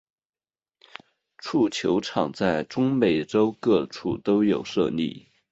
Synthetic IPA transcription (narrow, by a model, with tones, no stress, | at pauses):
ʈ͡ʂʰu˥˩t͡ɕʰjo˧˥ʊʈ͡ʂʰɑ˨˩ŋt͡sa˥˩ɪʈ͡ʂʊ˥ŋme˨˩ɪʈ͡ʂo˥ʊkɤ˥˧ʈ͡ʂʰṵ˥˩t̪o˥ʊjo˨˩ʊʂɤ̰˥˧nḭ˥˩